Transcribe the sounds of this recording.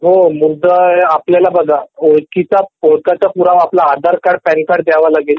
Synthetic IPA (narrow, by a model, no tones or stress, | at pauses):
ɦomud̪ʱəapljalabəɡ̪ʱaoɭkit͡saoɭkat͡sapuɾaʋaplaːd̪əɾkaɽpɛnkaɽd̪jaʋalaɡel